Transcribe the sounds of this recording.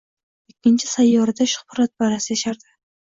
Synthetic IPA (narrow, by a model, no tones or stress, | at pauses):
ekʲːɪnt͡ʃʰɪsajːɒɾɪd̪aʃʊ̥χpʊɾat̪̚baɾasɪjaʃaɾd̪ɪ